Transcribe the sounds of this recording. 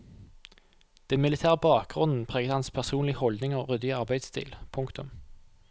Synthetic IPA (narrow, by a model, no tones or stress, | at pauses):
d̪̥ɛnmɪlɪt̪ʰæːʁəbɑːk̚ɡʁʉnn̩pʰʁeːɡəd̪əhɑnspʰæʁsuːnlɪhɔld̪nɪŋoːʁʏd̪ɪəɑʁbæɪd̪st̪ʰḭːlpʰʊŋkt̪ʰʊm